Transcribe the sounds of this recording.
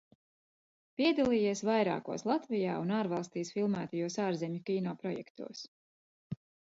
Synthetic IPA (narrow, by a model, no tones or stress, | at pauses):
piɛd̪alˠiːjiɛsvajɾa̰ːkṵɔslˠat̪vija̰ːunaːɾvalˠst̪iːsfilˠmæːt̪ajuɔsaːɾzɛmʲukʲiːnɔːpɾɔjɛ̰kt̪ṵɔs